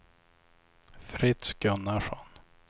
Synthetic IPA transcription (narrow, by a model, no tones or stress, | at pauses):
fɾɪt̪sɡɵnaʂɔ̰n